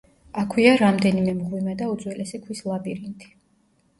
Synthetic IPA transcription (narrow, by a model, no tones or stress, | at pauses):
akʰwiaɾamd̪ɛnimɛmʁwimad̪aud̪zwɛlɛsɛkʰwislˠapʼiɾint̪ʰi̥